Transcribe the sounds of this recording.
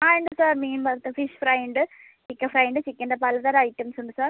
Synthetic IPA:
aːɛɳɖɐsaːɾmeːnbɐɾt̪ːɐfiʂfɾɐɪɳɖɨ | t͡ʃɪkːɐfɾɐɪɳɖɨt͡ʃikːɐɳɖɐpɐlɐðaːɾɐɪʈːɐmsuɳɖɯsaːɾ

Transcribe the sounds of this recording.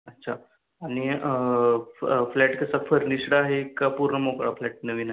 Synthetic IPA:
ətːɕʰa | aɽ̃i | flɛʈkəsafʰəɾniʂɽaaɦekapuɾnəmokɽaflɛʈ̚nəʋiːnae

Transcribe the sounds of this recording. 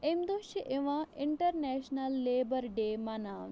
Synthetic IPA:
emd̪oːʃiʔeʋãɪɳʈəɾnɛːʃnɐlːeːbəɾɖeːmanaː

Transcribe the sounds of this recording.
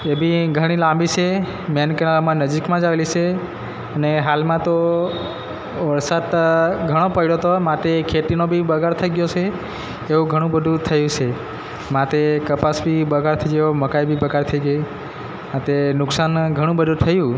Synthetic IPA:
ebʱiɡʱəɽ̃ilãmbit͡ʃʰe | mjankənalamãnəd͡ʒikmãd͡ʒaʋelit͡ʃʰe | əneɦalmãt̪o | ʋəɾsat̪ɡʱəɽ̃opəiɭot̪omãt̪ekʰeʈ̪inobʱibəɡʱaɾt̪ʰəiɡjot͡ʃʰeː | ũɡʱəɽ̃ũbəd̪ʱũt̪ʰəjũt͡ʃʰe | mãt̪ekəpasbʱibəɡʱaɾt̪ʰəjejoməkajbʱibəɡaɾt̪ʰəiɡəi | mãt̪enʊksanɡʱəɽ̃ũbəd̪ʱũt̪ʰəjũ

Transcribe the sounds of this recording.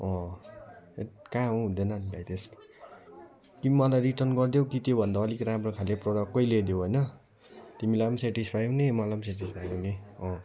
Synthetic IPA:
ʌ̃ | ekãɦuɦũd̪enʌnibajt̪es | kimʌlajɾiʈʌrnɡʌrd̪jokit̪jobʱʌnd̪aʌlikɾamrokʰaleproɽʌkːʌijled̪joɦojnʌ | t̪imilajbʌnseʈispʰajɦunemʌlajbʌnseʈ̬ispʰajuneʌ̃

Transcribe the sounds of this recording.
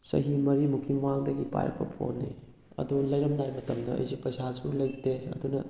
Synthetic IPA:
sɐ̰ɦimɐɾimukʰimwaŋdɐɡipa̰jɐ̰pʰɐ̰pʰo̰nːi | ɐ̰dulɐjɾɐmnajmɐtʰɐmdɐɐ̰jsipɐjsasulɐjteɐ̰dunɐ

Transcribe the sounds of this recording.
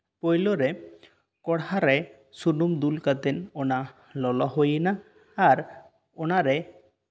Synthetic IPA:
pojloɾe | kɔɽɦaɾaj | sunumd̪ulkat̪enona | lɔlɔɦojnaː | ɾ | onaɾe

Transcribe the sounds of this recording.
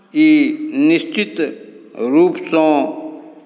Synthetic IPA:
inist͡ɕit̪ | ɾuːpsɔ̃

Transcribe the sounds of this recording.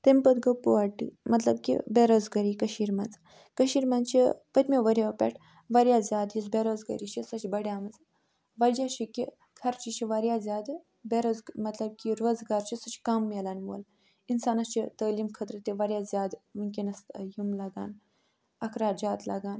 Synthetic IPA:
t̪empɐd̪ɡɐpuaʈːḭmɐt̪lɐb̚kʲḭbeɾozɡɐɾikɐʃiːɾmɐnt͡sɨ | kəʃiːɾmɐnt͡ʃʰipət̪ʲmʲeʋɐɾʲjapʲḛʈʰ | ʋɐɾʲjaːzʲjaːd̪jisbeɾozɡɐ̰ɾiʃisɐt͡ʃʰʲbɐɽjaːmɐd͡z | ʋɐld͡ʒaʃikʲi | kʰɐɾt͡ʃiʃiʋɐɾjaːzʲjaːd̪ | beɾozɡmɐt̪lɐb̚kʲiɾoːzɡaːɾt͡ʃʰisɨt͡ʃʰi̥kamːelanmo̰ːl | insaːnɐst͡ʃit̪əːliːmkʰət̪ɾɨt̪ʲiʋɐɾʲjazʲjaːd̪muŋk̬ʲinɐst̪jimlaɡa̰ːn | ɐkʰɾaːd͡ʒaːt̪laɡaːn

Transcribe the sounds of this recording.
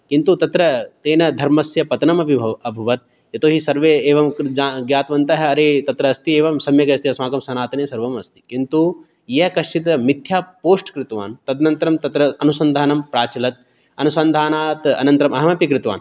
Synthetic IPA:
kint̪ut̪ɐt̪ɾɐt̪eːnɐd̪ʱɐɾmɐsjɐpɐt̪ɐnɐmɐbʱiɐʋɐbʱuʋɐt̪̚ | jɐt̪oːɦisɐɾʋeːeːʋɐmd͡ʒaɡjaːt̪ʋɐnt̪ɐɦɐɐɾeːt̪ɐt̪ɾɐːst̪ieːʋɐmsɐmjɐɡɐɐst̪iɐsmaːɡɐmsɐnaːt̪ɐneːsɐɾʋɐmɐst̪i̥kint̪u | jɐkɐʂʈit̪ɐmit̪jaːpoːsʈkɾɪt̪ʋa̰ːnt̪ɐd̪nɐnt̪ɐɾɐmt̪ɐt̪ɾɐɐnusɐnd̪ʱaːnɐmpɾaːt͡ʃilɐt̪̚ | ɐnusɐnd̪ʱaːnaːt̪ɐ̰nɐnt̪ɾɐmɐɦɐmɐpikɾɪt̪ʋa̰ːn

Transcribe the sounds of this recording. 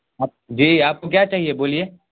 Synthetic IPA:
aːd͡ʒiːaːp̚kok̬jat͡ʃaːɦieboːlieː

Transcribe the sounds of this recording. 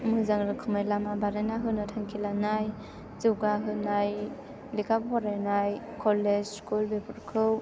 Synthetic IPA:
mɯzaŋɾɯkʰɯmajlamabaɾanaɦɯnɯtʰaŋkʰilanaj | zɯwɡaɦɯnaj | likʰabpʰɔɾajnaj | kʰɔled͡ʒskulbepʰɯɾkʰɯw

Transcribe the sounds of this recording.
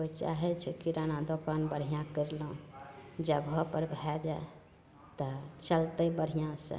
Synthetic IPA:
ot͡ʃa̰ɦɛt͡ʃʰɛkiɾanad̪okanbəɽ̤ijãkəɾlũd͡ʒəɡʱɔpəɾbʱɛd͡ʒae | t̪ɔt͡ʃəlt̪əbəɽ̤ijãsə̰̃

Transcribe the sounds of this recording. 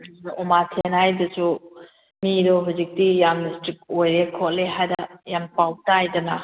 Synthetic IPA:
dɔmatʰenajdɐsu | miɾoɦuzik̚dijamdistɾik̚ojɾekʰɔʔ̚leɦajdɐjampawtajdɐna̰

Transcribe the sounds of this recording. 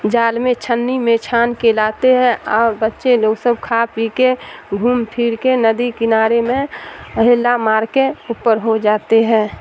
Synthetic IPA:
d͡ʒaːlmẽt͡ʃʰənːimẽt͡ʃʰaːnkelaːt̪eɦɛ̃ʔɔːɾbətːʃeloːɡsəbkʰaːpikeɡʱuːmpʰiːɾkenəd̪ikɪnaːɾemẽəɦɪlːamaːɾkeupəɾɦod͡ʒaːt̪eɦɛ̃ː

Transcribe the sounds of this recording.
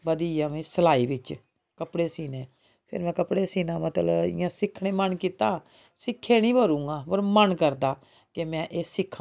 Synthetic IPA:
bəd̪iːjãːmẽːsəlaːiːʋɪt͡ʃ | kəpɽeːsiːneː | pʰɪ̰ɾmɛ̃ːkəpɽeːsiːnãːmət̪ləɪ̰jãːsɪkʰɽeːmənkiːt̪aː | sɪkʰːeːñĩːbəɾũːŋɡaːpəɾmənkəɾd̪aː | kemɛ̃ːʔeːsɪkʰã

